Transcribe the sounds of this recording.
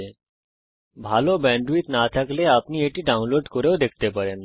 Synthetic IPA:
e | bʱalobɛ̃ɳɖuit̪nat̪akleapnieʈiɖaʊ̃nloɖkoɾeod̪ek̚ʰt̪epəɾen

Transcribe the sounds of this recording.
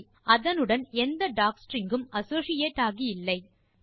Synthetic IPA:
ʔɐðɐnɯɽɐnɛnd̪ɐɖaːksʈɾɪŋɡɯmɐsoːsɪjeːʈːaːɣijɪlːɐɪ

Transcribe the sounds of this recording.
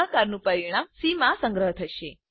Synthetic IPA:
ɦkaɾnũpəɾiɽ̃amsimãsəŋɡɾəɦət̪ʰəʃe

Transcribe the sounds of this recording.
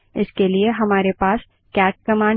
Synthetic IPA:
ɪskelieɦɐmaːɾepaːs | kɛːʈ̚kɐmãː

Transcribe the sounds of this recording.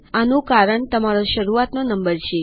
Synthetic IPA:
anũkaɾəɳt̪əmaɾoʃəɾuat̪nonəmbəɾt͡ʃʰe

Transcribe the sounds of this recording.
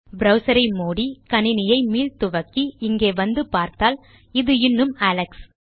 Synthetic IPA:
bɾɐʊsɐɾɐɪmoːɽikɐnɪnɪjɐɪmiːlt̪ʊʋɐkːiɪŋɡeːʋɐnd̪ɯpaːɾt̪aːl | ɪðɯɪnːɯmaːlɐks

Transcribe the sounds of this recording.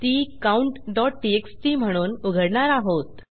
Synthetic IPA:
t̪iːkauɳʈɖɔʈ̚ʈiekst̪iːm̤əɽ̃uːnuɡʱəɽɳaɾaɦot̪

